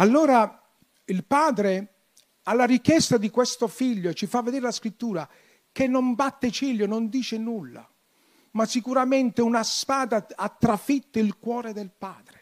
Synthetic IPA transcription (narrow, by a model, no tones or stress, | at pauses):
alːoːɾa | ilpaːd̪ɾe | alːarik̟jɛst̪ad̪ikwest̪ofiʎːoet͡ʃːifavːed̪eːɾelaskɾit̪ːuːɾa | kenːombat̪ːet͡ʃiʎːonond̪iːt͡ʃenulːa̰ | masikuɾament̪eunaspaːd̪aat̪ːɾafit̪ːʊilkwɔːɾed̪elpaːd̪ɾe